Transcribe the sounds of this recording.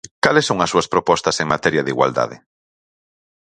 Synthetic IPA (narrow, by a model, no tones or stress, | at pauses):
kalesːoŋɐsuɐspɾopɔst̪ɐseŋmat̪ɛɾjaðiɣwa̰ld̪a̰ðɪ̰